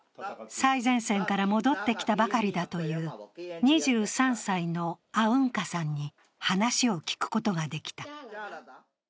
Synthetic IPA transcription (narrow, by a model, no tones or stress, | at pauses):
saizẽ̞ɰ̃sẽ̞ŋkaɾamo̞d̪o̞t̪ːe̞kʲi̥t̪abakaɾʲid̪at̪o̞jɯːɲ̟iʑɨːsãɰ̃saino̞aɯ̟̃ŋkasãɲ̟ːi | hanaɕio̞kʲi̥kɯ̟̥ko̞t̪o̞ɡad̪e̞kʲi̥t̪a